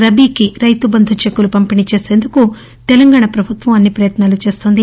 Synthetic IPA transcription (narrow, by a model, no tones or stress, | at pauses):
ɾɐbikiɾɐjt̪ubɐnd̪ʱut͡ʃekːulupɐmpinit͡ʃe̞ːse̞ːnd̪uku | t̪ɛlɐŋɡaːɳɐpɾɐbʱut̪ʋɐmɐnːipɾɐjɐt̪naːlut͡ʃe̞ːst̪oːnd̪i